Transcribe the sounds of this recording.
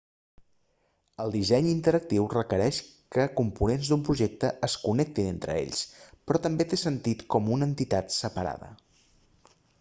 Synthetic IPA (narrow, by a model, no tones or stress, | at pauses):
əlˠd̪izɛɲint̪əɾək̚t̪iwrəkəɾɛʃkəkumpunenzd̪umpɾuʒek̚t̪əəskunɛk̚t̪inent̪ɾə̰ḛʎspɾɔt̪əmbet̪esənt̪it̪kɔmunənt̪it̪at̪səpəɾa̰ðə̰